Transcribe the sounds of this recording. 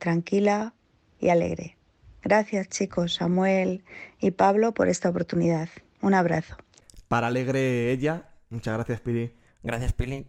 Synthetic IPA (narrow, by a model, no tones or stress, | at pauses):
t̪ɾaŋkila | ḭale̞̰ɣɾe̞̰ | ɡɾaθjast͡ʃiko̞sːamwe̞lipaβlo̞po̞̰ɾe̞st̪aopo̞ɾt̪uniðað | unaβ̞ɾaθo̞ | paɾaleɣɾeeʎamut͡ʃazɣɾaθjaspili | ɡɾaθjaspili